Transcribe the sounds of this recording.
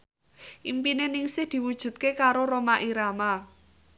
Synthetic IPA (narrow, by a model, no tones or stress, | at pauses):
ʔimpinenɪŋsɪhd̪̥i̤wud̥ʒ̥ṳt̪̚kekaɾoɾomaʔiɾama